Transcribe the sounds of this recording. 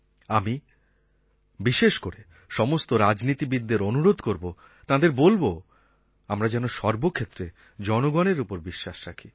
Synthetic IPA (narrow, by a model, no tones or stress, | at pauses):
ami | biʃeʃkoɾe | ʃɔmost̪oɾad͡ʑnit̪ibid̪ːeɾonuɾod̪ʱkoɾbo | t̪ãd̪eɾbolbo | amɾad͡ʑɛnoʃɔɾbokʰet̪ːɾe | d͡ʑɔnoɡɔneɾupoɾbiʃːaʃɾakʰi